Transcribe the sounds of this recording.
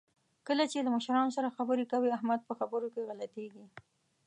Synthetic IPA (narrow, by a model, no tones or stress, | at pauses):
kəlat͡ʃelaməʃɾɑnosaɾaxabəɾekawiahmad̪̚pəxabəɾokeɣalat̪eɡi